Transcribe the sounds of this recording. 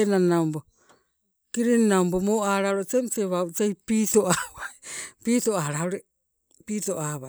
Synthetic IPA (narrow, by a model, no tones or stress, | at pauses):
enanaumbo | kiɾinaumbomoaɾaɾot͡ʃemt͡ʃeβaut͡ʃejpitoaβaipitoaɾaoɾe | pitoʔaβa